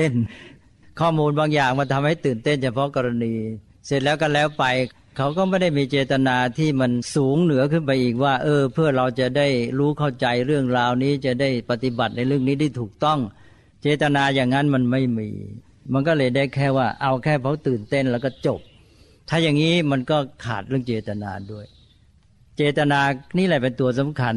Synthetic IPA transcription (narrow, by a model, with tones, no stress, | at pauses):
e˥˩n | kʰɔː˥˩muː˧nbaː˧ŋjaː˨˩ŋmaː˧˩t̪ʰa˧mha˥˩jt̪ɯː˨˩nt̪e˥˩nt͡ɕʰa˧˥pʰɔ˦˥kɔ˧ɾa˧niː˧ | se˨˩t̪̚lɛː˦˥wka˧nlɛː˦˥wpa˧j | kʰa˦˥wkɔː˥˩ma˥˩jda˥˩jmiː˧t͡ɕeː˧t̪a˧naː˧t̪ʰiː˥˩ma˧nsuː˩˦ŋnɯ˩˦ɐkʰɯ˥˩np̬a˧jʔiː˨˩k̚waː˥˩ʔɤː˧pʰɯ˥˩ɐɾa˧wt͡ɕa˨˩daː˥˩jɾuː˦˥kʰa˥˩wt͡ɕa˧jɾɯ˥˩əŋɾaː˧wniː˦˥t͡ɕa˨˩daː˥˩jpa˨˧˩t̪i˨˩ba˨˩t̪̚na˧jɾɯ˥˩əŋniː˦˥t̪ʰiː˥˩t̪ʰuː˨˩k̚t̪ɔ˥˩ŋ | t͡ɕeː˧t̪a˧naː˧jaː˨˩ŋna˦˥nma˧nma˥˩jmḭː˧ | ma˧nkɔː˥˩lɤː˧jdaː˥˩jkʰɛː˥˩waː˥˩ʔa˧wkʰɛː˥˩pʰa˦˥wt̪ɯː˨˩nt̪e˥˩nlɛː˦˩wkɔː˥˩t͡ɕo˨˩p̚ | t̪ʰaː˥˩jaː˨˩ŋːiː˦˥ma˧nkɔː˥˩kʰa̰ː˨˩t̪̚ɾɯ˥˩əŋt͡ɕeː˧t̪a˧na̰ː˧du˥˩əj | t͡ɕeː˧t̪a˧naː˧niː˥˩lɛ˧˩pe˧nt̪u˧ɐs̬a˩˦mkʰa˧n